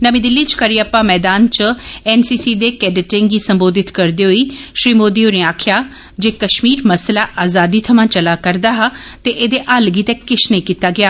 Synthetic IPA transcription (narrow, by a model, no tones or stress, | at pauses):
nəʋĩd̪ɪlːiːt͡ʃkəɾiːəpãːmɛːd̪aːnt͡ʃəɛːnsiːsiːd̪eːkɛːɖɪʈɪ̃ŋɡiːsəmboːd̪ɪt̪kəɾd̪eːɦoiːʃɾiːmoːd̪iːoːɾẽːaːkʰɪjaː | d͡ʒeːkəʃmiːɾməslaːʔaːzaːd̪iːt̪ʰəmãːt͡ʃəlaːkəɾd̪aːɦat̪eːʔeːd̪eːʔaːlɡiːt̪ɛːkɪʃnəĩːkiːt̪aːɡɪaː